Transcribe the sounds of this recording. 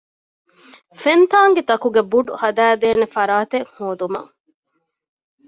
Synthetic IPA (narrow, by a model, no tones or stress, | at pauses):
fent̪aːŋɡet̪ɐkuɡebuɖṵhɐd̪æːd̪eːnefɐɾaːt̪eŋhoːd̪umɐ̰ŋ